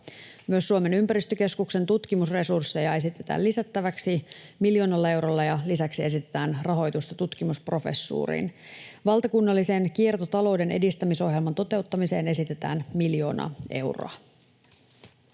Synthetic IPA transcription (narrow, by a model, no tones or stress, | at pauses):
myøsːuome̞nympæɾist̪øke̞skukse̞nt̪ut̪k̟imusre̞sursːe̞jɑe̞sit̪e̞t̪æ̰ːlisæt̪ːæʋæksimiljo̞ːnɑlːɑe̞wɾolːɑjɑlisæksie̞s̬it̪et̪æːnrɑɦo̞jt̪ust̪ɑt̪ut̪kimuspro̞fe̞̰sːṵːrḭːnʋɑlˠt̪ɑkunːɑlːise̞nk̟ie̞rt̪ot̪ɑlo̞wde̞nʔe̞̰dist̪æmiso̞hjelmɑnt̪o̞t̪e̞wt̪ːɑmise̞ːne̞sit̪e̞t̪æ̰ːnmiljo̞̰ːnɑ̰e̞wro̰ɑ